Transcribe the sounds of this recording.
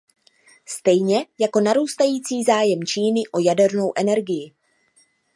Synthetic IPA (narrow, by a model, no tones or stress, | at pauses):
st̪ɛjɲɛjako̞naɾuːst̪ajiːt͡siːzaːjɛmt͡ʃiːnɪʔo̞jadɛɾno̞wʔɛnɛɾɡɪjɪ